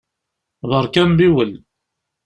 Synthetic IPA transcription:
ðˤəɾˤkæmbiwəl

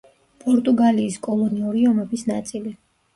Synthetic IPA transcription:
pʼɔɾt̪ʼuɡaliːskʼɔlˠɔniuɾiɔmɛbisnat̪sʼili

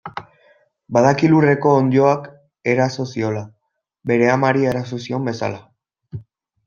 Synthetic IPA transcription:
baðakilure̞ko̞ːnd̪o̞ak | e̞ɾaso̞sio̞la | be̞ɾe̞amaɾie̞ɾasosio̞mbe̞sa̰la

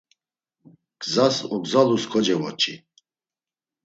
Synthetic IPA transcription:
ɡ̥zasɔɡzaluskʰɔd͡ʒɛvɔt͡ʃʰʼi

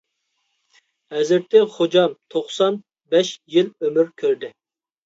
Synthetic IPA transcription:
hɛzɪɾt̪ːɪχod͡ʒɑmt̪ʰoχsɑn | bɛʃjɪlømyɾkʲʰøɾd̪ɪ

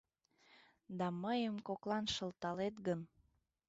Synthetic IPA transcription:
d̪ɑməjəmkoklɑnʃə̆lt̪ɑlet̪ɡən

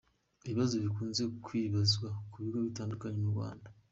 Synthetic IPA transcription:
eβiβazo̞βikuːnze̞kʰwiːβazɡwakuβiɡoβitaːndukaɲemuɾɡwa̰ːnda

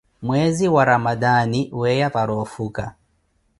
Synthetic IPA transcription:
mwɛziwaɾamadaniwɛjapaɾɔfuka̰

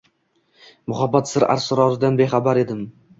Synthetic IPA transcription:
mʊhabːat̪sɪɾa̰ɾsɪɾɒzɪd̪anbe̞χabaɾe̞d̪ɪm

